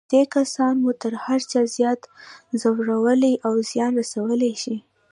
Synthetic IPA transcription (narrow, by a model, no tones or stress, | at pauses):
d̪̥ekasɑnmut̪əɾhaɾt͡ʃɑzjɑt̪zawɽawəliʔawzjɑnɾasawəlajʃi